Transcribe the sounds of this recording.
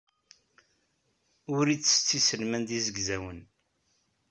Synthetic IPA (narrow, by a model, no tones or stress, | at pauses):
ʊɾit͡sːə̥st͡sːisəlmænd̪izəɡzæwən